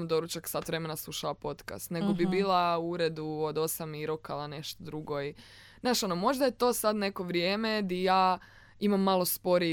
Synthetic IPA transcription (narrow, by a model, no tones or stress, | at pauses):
md̪o̞ɾut͡ʃaksat̪ʋɾe̞me̞naslˠuʃalapo̞t̪ka̰st̪ne̞ɡobibiːlˠauɾe̞d̪uod̪o̞samiɾokalˠane̞ʃt̪od̪ɾuɡo̞i | naːʃo̞nomo̞ʒd̪aje̞t̪o̞sad̪ne̞ko̞ʋɾjeːme̞d̪ijaː | imamːalˠo̞spo̞ɾi